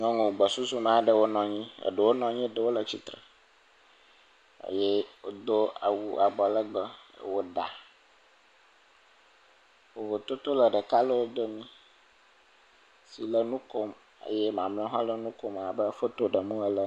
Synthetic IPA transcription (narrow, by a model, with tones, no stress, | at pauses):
ɲɔ̃˦ŋũ˨wɡ͡bə˨su˦su˦mã˦ɖə˦wo˦nɔ̃˨ɲĩ˦ə̰˨ɖə˨wo˦nɔ̃˨ɲĩ˦ɖə˨wo˦lə˨t͡ɕi˨t̪ɾə̰˨ | ə̰˨je˦wo˦d̪o˦a̰˨wu˨a˨bɔ˨lə˦ɡ͡bə̰˦˨wo˦ɖa̰˨ | wo˨vo˨t̪o˦t̪o˦lə˨ɖə˨ka˦lə˦wo˦d̪o˦mĩ˦ | si˨lə˦nũ˦ko˦m | ə̰˨jɛ˦mã˨m˦ɔ̃˦ɦɔ̃˦lə˦nũ˦ko˦m˨a˨bə˦fo˦t̪o˦ɖə˨mũ˦ə˦lə˦